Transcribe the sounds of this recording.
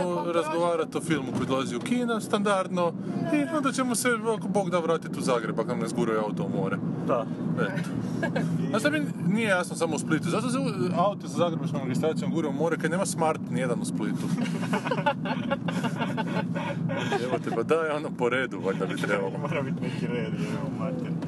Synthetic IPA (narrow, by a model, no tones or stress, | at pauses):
oɾazɡoʋaːɾat̪ofilˠmukojid̪olaziukiːnast̪and̪aɾd̪no | iond̪at͡ʃemoseʋakoboːɡd̪aʋɾaːt̪it̪uzaːɡɾebakanezɡuɾiojaut̪oumoːɾed̪aet̪o̥ | ast̪ominijejasnosamousplit̪uzat̪os̬euaut̪osazaːɡɾebat͡ʃkomɾeɡʲist̪ɾaːt̪sijomɡuːɾiumoːɾekad̪neːmasmaɾt̪nijed̪anusplit̪u | eʋot̪epad̪ajeonopoɾeːd̪uʋaʎʲd̪abit̪ɾebalooɾabit̪nekiɾed̪iemat̪ɛɾ